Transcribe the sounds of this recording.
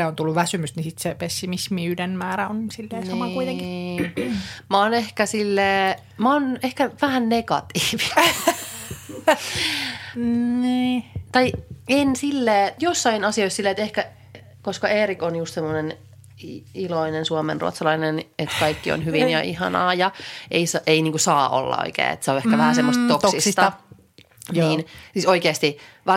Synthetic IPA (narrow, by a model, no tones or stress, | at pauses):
eont̪ulːuʋʋæsymyst̪nisit̪sepesːimismiydenmæːɾæonsilːeːnsɑmɑkuit̪eŋki̥ | mɑonehkæsilːeː | mɑonehkæʋæhænnekɑ̰t̪iːʋiɑ | niːt̪ɑiensilːeːjosːɑinɑsioisilːeːet̪ehkæ | koskɑeːɾikonjust̪semːonen | iloinensuomḛnrṵt̪sɑlɑinenet̪kɑikːio̰nɦyʋinjɑʔihɑ̰nɑ̰ːjɑeisʔeiniːŋkusɑːʔo̰lːɑ̰o̰ikḛːḛt̪seoehkæʋæhæsemːost̪t̪okt̪ssist̪ɑ | niːnsiːsoikeːst̪iʋɑ